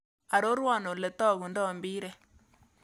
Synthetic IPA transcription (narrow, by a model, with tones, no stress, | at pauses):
a˨ɾo˦ɾwa˦˨no˨le˨t̪ɔ˦˨ɣu˨ndɔ˦˨mbi˦ɾɛ˦